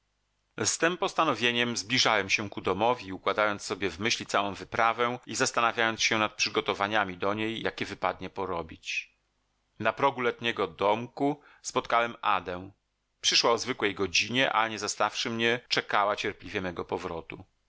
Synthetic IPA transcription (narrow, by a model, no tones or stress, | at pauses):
st̪ɘmpɔst̪anɔvʲjeɲɛmzblʲiʐawɛmɕɛkud̪ɔmɔvʲiukwad̪ajɔnt̪ssːɔbʲjɛvmɘɕlʲit̪sawɔ̃w̃vɘpɾavɛ̃izast̪anavʲjajɔnsɕɛnat̪̚pʂɘɡɔt̪ɔvaɲamʲid̪ɔɲejjakʲɛvɘpad̪̚ɲɛpɔɾɔbʲit͡ɕ | napɾɔɡulɛt̪ɲɛɡɔd̪ɔmku | spɔt̪̚kawɛma̰d̪ɛw̃ | pʂɘʂwaɔzvɘkwɛjɡɔd͡ʑiɲɛʔa̰ɲɛzast̪afʂɘmɲɛt͡ʂɛkawat͡ɕɛɾplʲivʲjɛmɛɡɔpɔvɾɔt̪u